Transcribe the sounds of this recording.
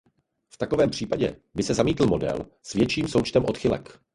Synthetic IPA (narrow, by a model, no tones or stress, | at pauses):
ft̪akovɛːmpr̝̥iːpaɟɛ̰bɪsɛzamiːt̪l̩mo̞dɛ̰l | svjɛt͡ʃiːmso̞wt͡ʃt̪ɛmʔo̞t̪xɪlɛ̰k